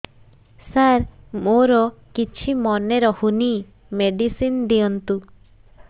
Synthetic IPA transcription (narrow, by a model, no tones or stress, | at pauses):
saɾmoɾɔkit͡ʃʰimɔneɾɔhuni | meɖisind̪iɔnt̪u